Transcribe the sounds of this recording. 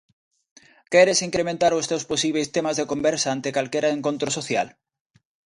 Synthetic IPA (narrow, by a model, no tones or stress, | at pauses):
kɛɾesiŋkɾemẽnt̪aɾʊst̪ewsposiβ̞ejst̪emazðekombɛɾsaant̪ekalkeɾaeŋkont̪ɾosoθja̰l